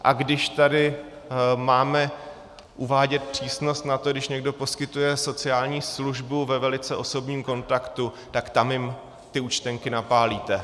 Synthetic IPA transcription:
ʔa̰ɡdɪʃt̪adɪ | maːmɛ | ʔuvaːɟɛt̪̚pr̝̥iːsno̞st̪nat̪o̞ɡdɪʃɲɛɡdo̞po̞skɪt̪ujɛso̞t͡sɪaːlɲiːsluʒbuvɛvɛlɪt͡sɛʔo̞so̞bɲiːmko̞nt̪akt̪u | t̪akt̪amjɪm | t̪ɪut͡ʃt̪ɛŋkɪnapaːliːt̪ɛ

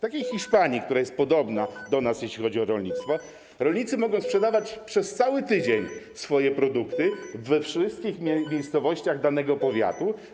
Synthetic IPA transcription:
t̪akʲejxʲiʂpaɲik̚t̪uɾajɛst̪̚pɔd̪ɔbnad̪ɔnasjeɕlʲixɔd͡ʑiɔɾɔlɲit̪st̪fɔ | ɾɔlʲɲit̪sɘmɔɡɔw̃spʂɛd̪avat͡ɕpʂɛst̪sawɘt̪ɘd͡ʑeɲ | sfɔjɛpɾɔd̪ukt̪ɘvɛfʂɘst̪̚kʲixʲmʲjejst̪sɔvɔɕt͡ɕaɣd̪anɛɡɔpɔvʲja̰t̪u

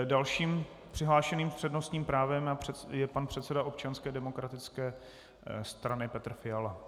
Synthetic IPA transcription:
dalʃiːm | pr̝̥ɪɦlaːʃɛniːmpr̝̥ɛdno̞st̪ɲiːmpɾaːvɛmaɛjɛpanpr̝̥ɛt̪sɛdaʔo̞p̚t͡ʃanskɛːdɛmo̞kɾat̪ɪt͡skɛː | st̪ɾanɪpɛt̪rfɪala

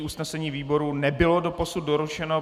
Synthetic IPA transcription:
ʔusnɛsɛɲiːviːbo̞ɾunɛbɪlo̞dopo̞sut̪̚doɾut͡ʃɛno̞

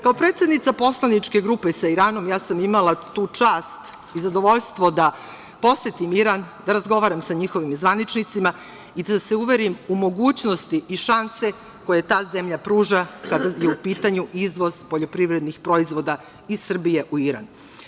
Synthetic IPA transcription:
kao̞pɾet̪sʲe̞d̪nit̪sapo̞slˠanit͡ʃke̞ɡɾuːpe̞saiɾaːno̞mjaːsamimalˠat̪uːt͡ʂaːst̪ | izad̪o̞ʋo̞ʎst̪ʋo̞d̪a | po̞sjet̪imiɾand̪aɾazɡo̞ʋaːɾamsaɲixo̞ʋimzʋanit͡ʃnit̪sima | id̪ase̞uʋe̞ɾimumo̞ɡuːt͡ɕno̞st̪iʔiʃanse̞ | ko̞je̞t̪aːzemʎapɾuːʒakad̪ajeupiːt̪aɲuizʋo̞z̥poʎo̞pɾiʋɾe̞d̪nixpɾo̞izʋo̞d̪a | isr̩bije̞ʔuiɾa̰n

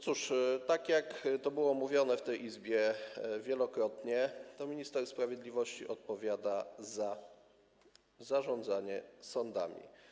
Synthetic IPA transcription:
tsuʂt̪akjakt̪ɔbɘwɔmuvʲjɔnɛft̪ɛjʔizbʲjɛvʲjɛlɔkɾɔt̪ɲɛt̪ɔmʲiɲist̪ɛɾspɾavʲjɛd̪lʲivɔɕt͡ɕḭʔɔt̪̚pɔvʲjad̪aza | zaʐɔnd̪zaɲɛsɔnd̪a̰mʲḭ

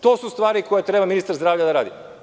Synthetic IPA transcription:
t̪o̞ːsust̪ʋaːɾikʰojet̪ɾe̞baminist̪aɾzd̪ɾaːvʎad̪aɾaːd̪ḭ

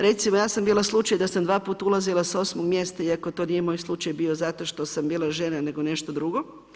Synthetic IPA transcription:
ɾe̞t̪simojaːsambiːlaslˠut͡ʃajd̪asamd̪ʋaːpuːt̪aulˠazilˠasao̞smoɡmje̞st̪aiakot̪o̞niːjemo̞ːjslˠut͡ʃajbiːo̞zat̪o̞ʃt̪o̞sambiːlˠaʒenane̞ɡo̞ne̞ʃt̪od̪ɾuɡo̞

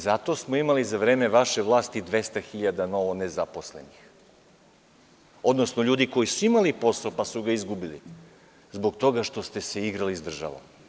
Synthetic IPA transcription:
zat̪o̞smoimalizaʋɾe̞ːme̞ʋaʃe̞ʋlˠaːst̪id̪ʋe̞st̪axiʎad̪ano̞ʋonezapo̞slḛnix | o̞d̪no̞sno̞ʎuːd̪iko̞jisuimalipo̞saopasuɡaizɡubilḭ | zbo̞ɡt̪o̞ɡaʃt̪o̞st̪e̞se̞iɡɾalizd̪r̩ʒa̰ʋo̰m

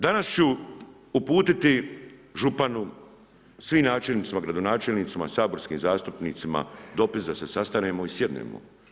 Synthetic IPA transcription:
d̪anast͡ɕu | upuːt̪it̪iʒupanu | sʋiːmnaːt͡ʃelnit̪simaɡɾad̪o̞naːt͡ʃelniːt̪simasaːbo̞ɾskiːmzaːst̪upniːt̪sima̰d̪o̞pisd̪ase̞sast̪ane̞ːmoisje̞d̪nḛːmo̰

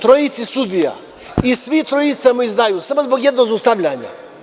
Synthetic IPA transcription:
t̪ɾoit̪sisud̪ija̰ | isʋit̪ɾojit̪samuizd̪aːjuːsamozboɡjed̪nozust̪aʋʎaːɲa̰

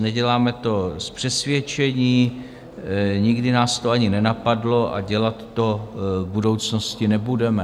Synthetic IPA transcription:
nɛɟɛlaːmɛt̪o̞spr̥ɛsvjɛt͡ʃɛɲiː | ɲɪɡdɪnaːst̪oaɲɪnɛnapadlo̞ʔa̰ɟɛlat̪ːo̞vbudo̞wt͡sno̞scɪnɛbudɛmɛ

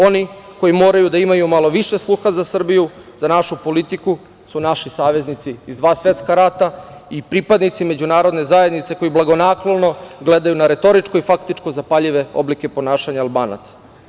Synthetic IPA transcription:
o̞niko̞jimo̞ːɾajud̪aimajumalˠo̞ʋiʃe̞slˠuxazasr̩biju | zanaʃupo̞lit̪iku | sunaʃisaːʋe̞znit̪siːzd̪ʋaːsʋe̞t̪skaɾat̪a | ipɾipad̪nit̪sime̞d͡ʑunaːɾo̞d̪ne̞zaje̞d̪nit̪seko̞jiblˠaɡo̞naklolno̞ɡle̞d̪ajunaɾe̞t̪o̞ɾit͡ʃko̞ifakt̪it͡ʃko̞zapaʎiʋe̞o̞̰blike̞po̞naːʃaɲaːlˠbaːna̰t̪sḁ

